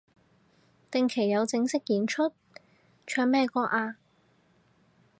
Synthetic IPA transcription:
t̪ɪ˨ŋkʰe˨˩jɐ˨˧wt͡sɪ˧˥ŋsɪ˥k̚jiː˨˧˥nt͡ʃʰɵ˥t̚ | t͡ʃʰœː˧ŋmɛː˥˧kɔː˥ʔaː˧

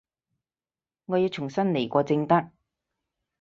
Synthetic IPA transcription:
ŋɔː˨˧jiː˨˧˥t͡sʰʊ˨˩ŋsɐ˥nle˨˩jkʷɔː˧t͡sɪ˧ŋt̪ɐ˥k̚

